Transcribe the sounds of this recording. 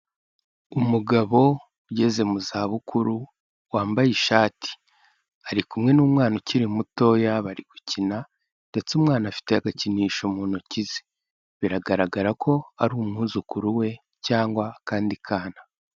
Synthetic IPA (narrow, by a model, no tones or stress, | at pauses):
umuɡaβo̞ | uɟe̞ze̞muzaːβukʰuɾu | waːmbajiʃaːtʰi̥ | aɾikumŋe̞nuːmŋaːnociɾimuto̞jaβaɾiɡ̥ucina | nde̞t͡seumŋaːnafi̥te̞aɡaciniːʃomuːnocize̥ | βiɾaɡaɾaɡaɾakʰo̞aɾuːmŋuːzukuɾuwe̞ | caːŋɡwakaːndikʰaːna